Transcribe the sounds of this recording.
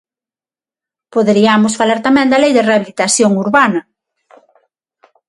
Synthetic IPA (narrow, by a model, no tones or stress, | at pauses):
poðeɾiamosfalaɾt̪amɛ̃nd̪ɐlejðɪreaβilit̪aθjoŋuɾβanɐ